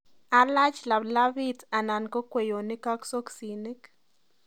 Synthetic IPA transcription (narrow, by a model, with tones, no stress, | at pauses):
a˨la˦t͡ʃla˨bla˦vi˦ta˨na˨nko˦kwe˨jo˨ni˦ka˦kso˦ksi˨ni˦k